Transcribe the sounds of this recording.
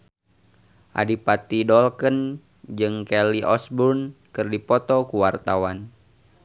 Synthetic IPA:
ʔa̰dipat̪idɔlkən | d͡ʒɨŋkɛliʔɔsbunkɨrdipɔt̪ɔkuwart̪awan

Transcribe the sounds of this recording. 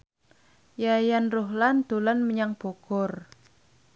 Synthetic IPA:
jajanruɦland̪̥o̤lanməɲaŋb̥ɔ̤ɡ̥ɔr

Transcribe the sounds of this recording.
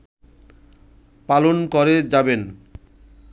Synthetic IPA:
palonkoɾed͡ʑaben

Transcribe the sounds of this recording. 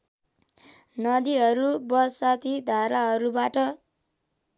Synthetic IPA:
nʌd̪iɦʌɾubʌsat̪id̪ʱaɾaɦʌɾubaʈʌ

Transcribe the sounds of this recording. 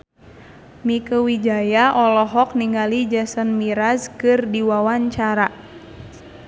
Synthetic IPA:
mikəwid͡ʒajaʔɔlɔɦɔk̚niŋalid͡ʒasənmiɾazkɨrdiwawaɲt͡ʃaɾa

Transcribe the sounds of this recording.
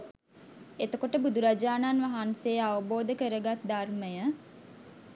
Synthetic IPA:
et̪əkoʈəbud̪uɾad͡ʒaːnanʋaɦansejəaʋəboːd̪əkəɾəɡat̪̚d̪arməjə

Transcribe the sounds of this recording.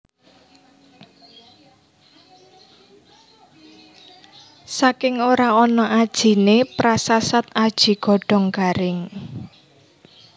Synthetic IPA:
sakɪŋoɾaɔnɔʔad̥ʒ̥i̤nepɾasasat̪̚ad̥ʒ̥i̤ɡ̥ɔ̤ɖ̥ɔ̤ŋkaɾɪŋ

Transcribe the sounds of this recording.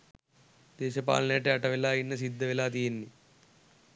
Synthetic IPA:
d̪̥eːʃɐpa̰ːlɐneːʈeɐʈɐʋilaːjinːɐsid̪ːɐʋilaːt̪ijinːi

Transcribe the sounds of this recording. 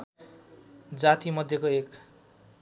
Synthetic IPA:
d͡zat̪imʌd̪ʱjekoek

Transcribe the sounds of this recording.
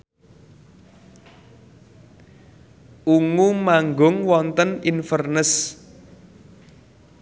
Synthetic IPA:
ʔuŋumaŋɡʊŋwɔnt̪əninfərnəs

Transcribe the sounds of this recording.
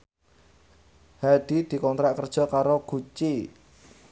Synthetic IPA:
had̪̥i̤d̪̥i̤kɔnt̪ɾaʔkərd̥ʒ̥ɔ̤kaɾoɡ̥ṳt͡ʃi

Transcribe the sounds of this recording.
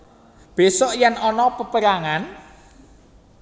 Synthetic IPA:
b̥e̤sɔʔjɛnɔnɔpəpəɾaŋan

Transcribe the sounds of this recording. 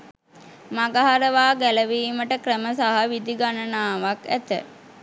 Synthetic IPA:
maɡaɦaɾəʋaːɡæləʋiːməʈəkɾəməsaɦaʋid̪iɡanənaːʋakæ̰t̪ə̰

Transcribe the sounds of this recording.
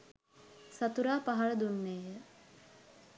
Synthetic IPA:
sat̪uɾaːpaɦɐɭəd̪unːeːjə

